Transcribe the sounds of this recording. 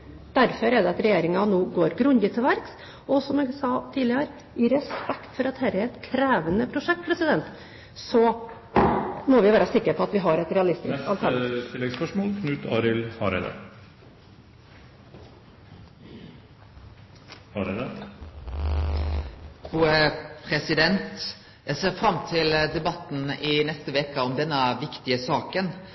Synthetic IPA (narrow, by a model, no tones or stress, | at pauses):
d̪̥æɾfɔɾɛd̪ɛɑt̪ɾɛjeːɾɪŋɑnoːɡoːɾɡɾʉnd̪ɪt̪ʰɛʋæɾks | ɔsɔmɛsɑt̪ʰiːd̪lɪəɾ | ɪɾɛspɛkt̪fɔɾɑt̪hɛɾəɛɾɛt̪kʰɾeːʋənəpʰɾʊʂɛk̚t̪̚pʰɾɛsɪd̪ɛnt̪ | sɔ | mɔʋɪʋæːɾɑsɪkːəɾpʰɔɑt̪ʋɪɦɑɾɛt̪ɾɛɑlɪst̪ɪɑlt̪ʰæt̪ʰɪlːɛɡspœʂmoːlkʰnʉːt̪ʰɑ̰ːɾɪlhɑɾɛ̰ɪd̪ɑ̰ɾ | hɑɾɛd̪ə | pʰɾuːəpʰɾɛsɪd̪ɛnt̪ | jæɪseːʁfɾɑmːt̪ʰɪld̪ɛbɑt̪ːn̩ɪnɛst̪əʋeːkəɔmd̪ɛnːəʋɪkt̪ɪəsɑːkən